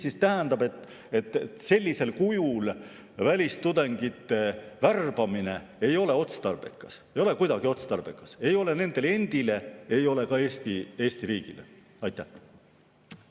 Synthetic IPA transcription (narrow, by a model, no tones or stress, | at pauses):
sist̪æɦænd̪ɑbe̞t̪ːˑ | e̞t̪ːˑese̞lʲːise̞lkujul | vælʲist̪ud̪e̞ŋɡ̥it̪ːˑe̞værb̥ɑmine̞e̞jo̞le̞o̞t̪st̪ɑrb̥ekːˑɑsejo̞le̞kujd̪ɑɡ̥io̞t̪st̪ɑrb̥ekːˑɑse̞jo̞le̞ne̞nd̪e̞le̞nd̪̥ile̞e̞jo̞le̞kɑe̞ːst̪ie̞ːst̪iɾiːɡ̥ilḛ | ɑjt̪ːˑæh